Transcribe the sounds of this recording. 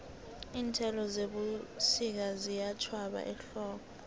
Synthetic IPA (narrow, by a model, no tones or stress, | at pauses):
iːntʰɛlɔzeɓusik̬azijat͡ʃʰwaɓa̰ʔɛɬɔːkɔ